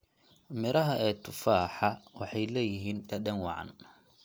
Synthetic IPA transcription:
mɪɾɐɦɐʔɛːt̪ʰʊfaːħɑwɑħɑjlɛːjɪɦiːnt̪ʰɐɗɛŋwɑ̰ʕɑ̰n

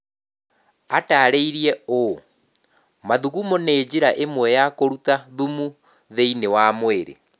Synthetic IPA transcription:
ataɾeiɾiɛo | maðuɣumɔneːd͡ʑiɾaʔemwɛjakoɾutaðumu | ðeinewamweɾḛ

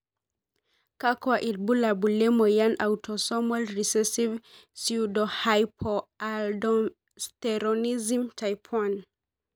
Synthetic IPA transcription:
kakwaʔid̚bulabulemɔjanʔawtʰɔsɔmɔlɾisɛsivsiudɔhajpʰɔaldɔ | stɛɾɔnizimtʰajpʰwan

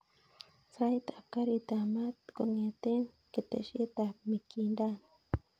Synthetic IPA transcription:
sajt̪akaɾit̪amat̪koŋet̪en | ket̪ḛʃet̪amikindan

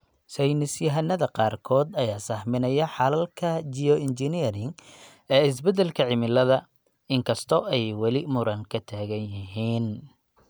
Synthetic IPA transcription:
sɛjnɪsjɐɦɐnːɐðɐqɑːrkʰɔːd̪ɐjaːsɐhmɪnɐjɐħɑlɐlkʰɐt͡ʃiɔɪnt͡ʃɪniɾɪŋ | ɛːɪs̬bɛd̪ɛlkʰɐʕɪmɪlɐðɐ | ɪŋkʰɐst̪ʰɔʔɛjwɑlɪmʊɾɐŋkʰɐt̪ʰaːɣɐnjɪɦiːn

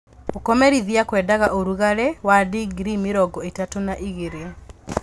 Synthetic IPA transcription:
okɔmɛɾiðiakwɛdaɣaʔoɾuɣaɾɛwadiɡɾimɪɾɔɡɔetatonaʔiɣeɾe

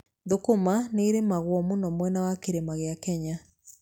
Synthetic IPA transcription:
ðokomaneːɾemaɣwɔmunɔmwɛnawakeɾemaɣeɪakɛɲa

